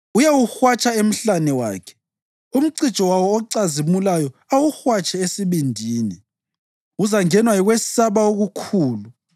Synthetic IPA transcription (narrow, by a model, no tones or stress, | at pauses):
ujawuxwat͡ʃʼaem̩ɬanɛwa̰ːkʰɛ̥ | um̩ǀi̥t͡ʃʼɔwawɔːǀazimulajɔawuxwat͡ʃʼɛesiβindʱiːni | uzaŋɛnwajiɣwesaβaoɣukʰuːlu